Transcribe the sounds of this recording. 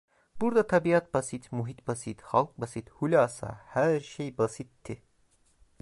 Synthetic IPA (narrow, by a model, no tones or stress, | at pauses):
b̥uɾd̪at̪ʰabiat̪̚basit̪muɦit̪̚basit̪halˠk̚basit̪hulʲaːsa̰hæɾʃejbasit̪ʰːi